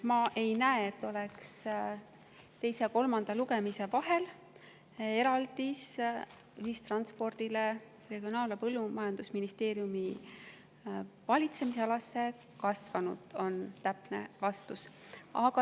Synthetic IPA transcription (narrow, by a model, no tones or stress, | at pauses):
mɑʔe̞jnæeet̪ːˑo̞leks | t̪e̞jse̞ko̞lmɑnd̪̥ɑluɡe̞mise̞vɑɦe̞l | e̞ɾɑld̪̥is | yhist̪rɑnspo̞rd̪̥ile̞ | re̞ɡ̥ionɑːlepɤlːumɑjɑnd̪usminist̪e̞ːɾjumi | vɑlʲit̪se̞miseɑlɑsːe̞ | kɑsvɑnṵd̪̥o̞nt̪æpnḛvɑst̪us | ɑɡɑ